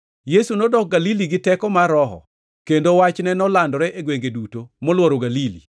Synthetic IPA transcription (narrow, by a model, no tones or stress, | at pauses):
jesunɔdɔk̚ɡaliliɡɪtɛkɔmaɾɔɦɔ̰ | kendowat͡ʃnɛnɔlandɔɾɛʔeɡweŋɡedutomɔlwɔɾoɡalilḭ